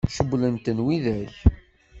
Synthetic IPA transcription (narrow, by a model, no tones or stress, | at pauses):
ʃəblənt̪ənwiðæç